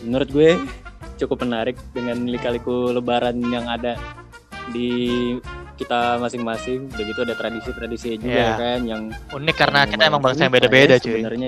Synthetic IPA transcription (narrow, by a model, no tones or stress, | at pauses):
mənuɾʊt̪̚ɡuɛt͡ʃukʊpːmənaɾɪk̚dəŋanlikalikuləbaɾanjaŋada | di | kit̪amasɪŋmasɪŋbaɡit̪uadat̪ɾadisit̪ɾadisiɲad͡ʒuɡakanjaŋunɪkːaɾənakit̪aemaŋbaŋsabedabedast͡ʃəbənərɲa